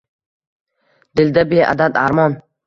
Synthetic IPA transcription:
d̪ɪld̪abea̰d̪ad̪aɾmɒn

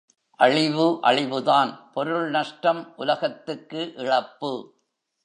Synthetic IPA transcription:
ʔɐɻɪʋɯʔɐɭɪʋɯðaːnpɔɾɯɭnɐʂʈɐmʔʊlɐɣɐt̪ːɯkːɯʔɪɻɐpːɯ

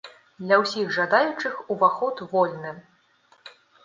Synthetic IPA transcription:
d̪lʲɐwsʲixʐad̪ajut͡ʂɨxuvaxɔt̪vɔlʲnɨ

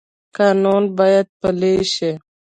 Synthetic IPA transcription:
kaːnunbajad̪̚pəleʃi

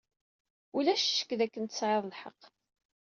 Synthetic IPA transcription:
ulæʃʃə̥kːðækːənt̪ə̥sʕeðˤlħəqː

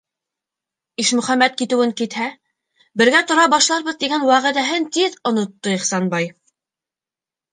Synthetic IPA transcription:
iʃmɵ̆χæmːæt̪̚kit̪ɘ̆wɘŋkit̪hæ | bɘ̆ɾɡæt̪ŏɾɑbɑʃlˠɑɾβɤ̆ðt̪iɡænwæʁɘ̆ðæɦɘnt̪iðŏnŏt̪ːoiχsɑnbɑj

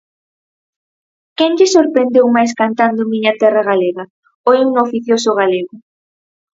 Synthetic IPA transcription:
kɛnʎɪsoɾpɾend̪ewmajskant̪and̪ʊmiɲɐt̪ɛraɣaleɣɐ | ojunoofiθjosʊɣ̞aleɣʊ

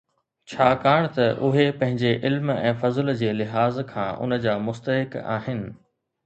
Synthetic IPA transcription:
t͡ɕʰaːkaːɽ̃t̪ɐʔʊɦepɐ̃ɦɪ̃ɲd͡ʑeʔɪlmɛ̰̃ːfɐzld͡ʑeːlɪɦaːzkʰã̰ːʔʊ̰nə̆d͡ʑaːmʊst̪əɦɪka̰ːɦɪnɪ̆

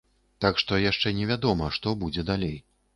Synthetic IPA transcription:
t̪akʂt̪ɔjaʂt͡ʂɛnʲɛvʲad̪ɔmɐʂt̪ɔbud͡zʲɛd̪alʲej

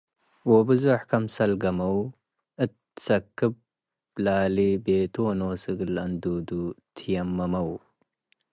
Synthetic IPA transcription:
wobɨzoħkɐmsɐlɡɐmɐw | ɨt̪̚ | sɐkːɨb̚ | laːlibeːt̪oːnoːsɨɡɨlɐnd̪uːd̪ut̪ʰɨjɐmːɐmɐw

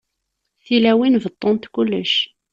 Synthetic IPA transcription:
θilæwinvət̪ˤːont̪kulːəʃ

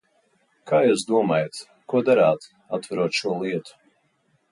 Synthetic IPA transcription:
kʰaːjɛs̬d̪uɔmaːjat̪ | kuɔd̪aɾaːt̪ | at̪ːvaɾuɔt̪ʃuɔlˠiɛt̪u̥

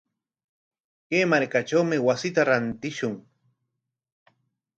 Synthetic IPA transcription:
keːmaɾkaʈ͡ʂawmɪwasɪt̪aɾant̪ɪʃʊŋ

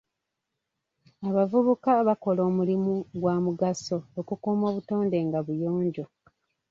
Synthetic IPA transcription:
aβavuβukaβako̞loːmulimuɡwaːmuɡaso̞ːkukumoːβuto̞ːnde̞ːŋɡaβujoːɲɟo̞

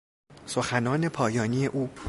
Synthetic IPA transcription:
so̞xænɒːne̞pʰɒːjɒːniːe̞ʔuː

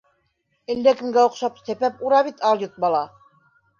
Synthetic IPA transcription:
ɘ̆lːækɘ̆mɡæŏqʃɑpsæpæp̚uɾɑβit̪ɑlˠjot̪̚bɑlˠɑ

